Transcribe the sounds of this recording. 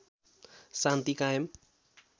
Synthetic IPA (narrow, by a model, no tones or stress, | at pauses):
sãnt̪ikajem